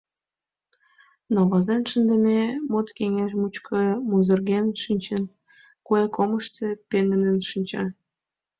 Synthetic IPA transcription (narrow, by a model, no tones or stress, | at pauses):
nɑβɑzenʃənd̪ə̆memot̪keŋeʃmut͡ɕkʰɤ̆muzə̆rɣenʃinʲt͡ɕen | kuɑkoməʃt̪ĕpend̪ə̆nənʃinʲt͡ɕɑ